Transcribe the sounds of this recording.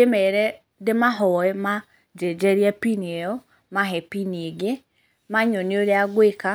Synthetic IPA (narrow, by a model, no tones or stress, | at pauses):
emɛɾɛ | demaɦɔɛma | d͡ʒɛd͡ʒɛɾjapiniejɔ | maɦɛpinieɡe | maɲɔneoɾeaɡweka